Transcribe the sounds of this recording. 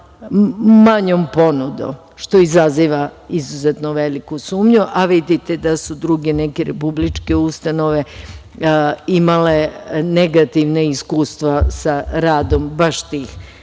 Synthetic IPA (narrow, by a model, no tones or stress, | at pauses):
maɲompo̞nud̪o̰m | ʃt̪o̞izaziːʋaizuzet̪noʋelikusuːmɲuʔaʋid̪it̪e̞d̪asud̪ɾuɡe̞nekeɾepublit͡ʃke̞ust̪anoʋe | imale̞neɡat̪iʋneiskuːst̪ʋasaɾaːd̪o̞mbaʃt̪iːx